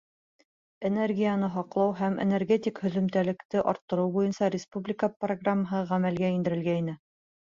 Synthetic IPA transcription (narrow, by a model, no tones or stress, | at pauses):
enerɡʲijənɤɦɑqlˠɑwɦæmʔḛnerɡʲet̪ʲikhɵ̆ðɵ̆mt̪ælɘ̆kt̪ɘʔɒɾt̪ːɤ̆ɾɤwbujɤnsɑɾʲɪspublʲɪkəproɡramːəɦɤʁæmælɡæind̪ɘ̆ɾɘ̆lɡæinɘ